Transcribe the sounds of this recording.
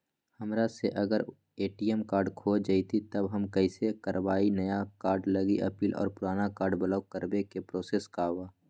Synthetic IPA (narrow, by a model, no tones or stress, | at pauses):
hɐmɾaseʔɐɡəɾ | eːʈijəmkaːɾɖkʰoːd͡ʒait̪ʰit̪ɐbɦɐmkəɪsekəɾwaːinəjakaːɾɖləɡiʔɐ̰piːlʔɔ̰ːɾpʊɾaːnakaːɾɖbəlaːʊkəɾbekepɾoːseːskaːwaː